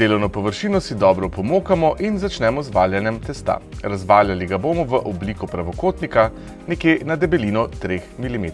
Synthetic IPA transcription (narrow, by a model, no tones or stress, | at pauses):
d̪eːlɔwnɔpɔʋəɾʃiːnɔsid̪ɔːbɾɔpɔmoːkamɔʔinzat͡ʃnɛmɔzʋaːljanjɛmt̪ɛst̪a̰ɾazʋaːljaliɡaboːmɔʋəʔɔbliːkɔpɾaʋɔkoːt̪nika | nɛkjenad̪ɛbɛliːnɔt̪ɾeːxmilimeːt̪